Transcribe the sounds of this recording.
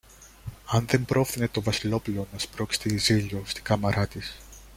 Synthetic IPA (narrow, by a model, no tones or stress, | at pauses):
ɐnðe̞mpɾo̞fθine̞t̪o̞vɐsilo̞pulo̞nɐspɾo̞kst̪eːziʎost̪iɡ̥ɐmɐɾɐt̪is